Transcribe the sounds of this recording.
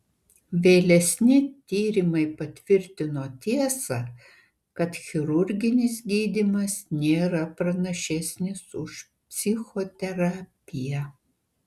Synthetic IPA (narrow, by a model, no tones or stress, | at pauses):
ʋʲeːlʲɛsʲnʲɪt̪ʲiːɾʲɪmɐɪpɐt̪ʲʋʲɪɾʲt̪ʲɪnoːt̪ʲiɛsɐ | kɐt̪xʲɪɾʊɾʲɡʲɪnʲɪs̬ɡʲiːd̪ʲɪmɐsnʲeːɾɐpɾɐnɐʃʲɛsʲnʲɪsʊʃ | pʲsʲɪxoːt̪ʲɛɾɑːpʲɪjɛ